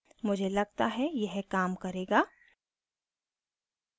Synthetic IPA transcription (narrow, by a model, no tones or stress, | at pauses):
mʊd͡ʒʱelɐɡ̚t̪aɦɛjɛɦkaːmkɐɾeːɡaː